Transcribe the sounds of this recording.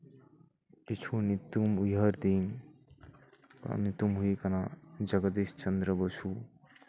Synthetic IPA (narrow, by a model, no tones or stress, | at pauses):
it͡ʃʰunit̪umujɦəɾd̪in | knit̪umɦuikɐnad͡ʒəɡəd̪est͡ʃənd̪ɾəbəsʰu